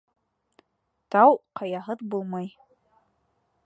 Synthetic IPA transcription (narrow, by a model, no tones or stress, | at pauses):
t̪ɑwqɑjɑɦɤðbulˠmɑj